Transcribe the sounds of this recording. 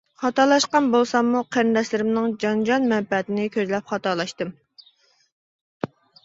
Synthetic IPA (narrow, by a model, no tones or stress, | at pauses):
χɑt̪ɑlˠɑʃqɑnbolˠsɑmːuqʰæɾnd̪ɛslɪɾɪmnɪŋd͡ʒɑnd͡ʒɑnmɛnpɛt̪ɪnɪkʲʰøzlɛpχɑt̪ɑlˠɑʃt̪ɨm